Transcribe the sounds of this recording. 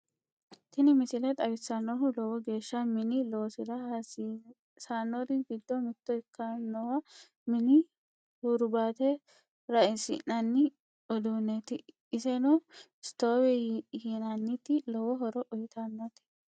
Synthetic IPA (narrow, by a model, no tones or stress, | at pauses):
t̪ɪnɪmɪsɪlɛt̪ʼɐbɪsanɔɦʊlɔwɔɡe̞ːʃːɐmɪnɪloːsɪlɐhsi | saːnːɔɾɪɡɪd̪ːɔmɪt̪ːɔɪkːanɔwɐ | mɪnɪ | hʊɾbaːt̪ɛ | ɾɐɪnsɪ̰nɐnːɪ | ɔd̪unɛt̪ɪ | ɪsɛnu | st̪oːwɛhɪnanːɪt̪ɪlɔwɔɦɔɾɔʔɔjɪt̪ʰanːɐt̪ɪ̥